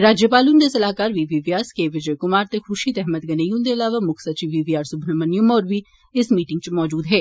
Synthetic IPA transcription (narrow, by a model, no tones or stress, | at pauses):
ɾaːd͡ʒjəpaːlund̪esɐlaːkaːɾʋiʋiʋjaːskeːʋɪd͡ʒəjkʊmaːɾt̪exʊʃit̪ɛɦmət̪̚ɡɐnejũnd̪eɐlaːʋamʊkʰsɐt͡ʃiʋiʋijaːɾsʊbʱnəmənjʊmɔːɾʋi | ɪsmiːʈɪ̃ŋɡt͡ʃmɔːd͡ʒuːd̪ɦɛː